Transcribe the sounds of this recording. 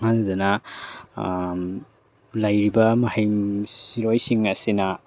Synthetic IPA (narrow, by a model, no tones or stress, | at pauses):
ŋazidɐnɐ | lɐjɾibɐmɐhejmsiɾojsiŋɐsinɐ